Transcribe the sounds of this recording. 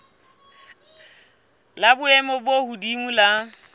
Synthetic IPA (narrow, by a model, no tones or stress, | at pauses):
labʊɛmɔbohudiŋ̩la